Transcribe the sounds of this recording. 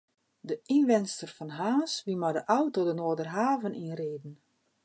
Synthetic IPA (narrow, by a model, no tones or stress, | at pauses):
dəinʋɛnstərfɔnɦaːsʋimadəʔawtodənoːədərɦaːvənʔinreːdn̩